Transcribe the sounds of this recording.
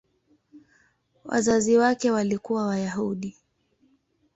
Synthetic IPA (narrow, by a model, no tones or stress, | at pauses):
wa̰zaziwakɛwalikuwawajaɦuɗi